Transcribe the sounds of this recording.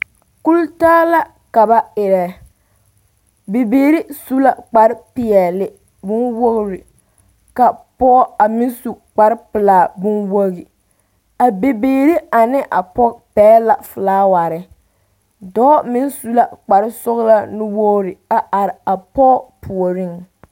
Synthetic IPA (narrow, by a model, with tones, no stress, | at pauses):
ku˦ltaː˦la˦ | ka˨ba˦ɪ˨ɾɛ˨ | be˨beː˨ɾi˦su˦la˦k͡pa˨ɾɪ˦pɪ˨ɛ˨lɪ˨ | bʊ˦nwo˦ɣɾɪ˨ | ka˨pɔ˦a˨mɪ˦nsu˨k͡pa˨ɾɪ˦pɪ˨laː˨bʊ˦nwo˦ɣi˨ | a˨be˨beː˨ɾi˦a˨nɪ˦ʔa˨pɔ˦pɛː˦la˨fɨ˨laː˦wa˨ɾɪ˦ | dɔː˦mɪ˦nsu˦la˦˨k͡pa˨ɾɪ˦sʊ˦ɣla˦nʊ˦woː˦ɾɪ˨a˨ʔa˨ɾɪ˨a˨pɔ˦pʰʊ˨o˨ɾɪ˦ŋ